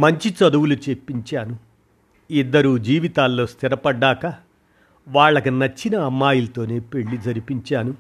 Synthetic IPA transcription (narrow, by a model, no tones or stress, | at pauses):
mɐɲt͡ʃit͡ʃɐd̪uwulut͡ʃe̞pːiɲt͡ʃaːnu | id̪ːɐɾuːd͡ʒiːʋit̪aːlːo̞ːst̪ʰiɾɐpɐɖːaːkɐ | ʋaːɭːɐkinɐt͡ʃːinɐːmːaːjulɐt̪o̞ːne̞ːpe̞ɭːid͡ʒɐɾipiɲt͡ʃaːnu